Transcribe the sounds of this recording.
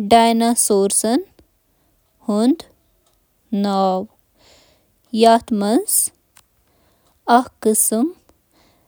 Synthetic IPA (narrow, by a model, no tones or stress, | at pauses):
ɖaːjnasoːɾsɐn | hund̪ | naw | jaːt̪mɐns | ɐhkɨsm